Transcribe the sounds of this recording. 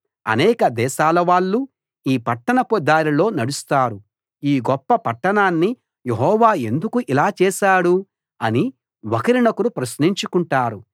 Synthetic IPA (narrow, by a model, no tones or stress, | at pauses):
ɐ̰nɛːkɐd̪ɛːʃaːlɐʋaːɭːu | iːpɐʈːɐnɐpɔd̪aːɾilo̞ːnɐɽust̪aːɾu | iːɡɔpːɐpɐʈːɐɳaːnːi | jeɦɔːʋaːend̪ukuʔilaːt͡ʃɛːʃaːɽu | ɐni | wɐkɐɾinɐkuɾupɾɐsniɲt͡ʃukuɳʈaːɾu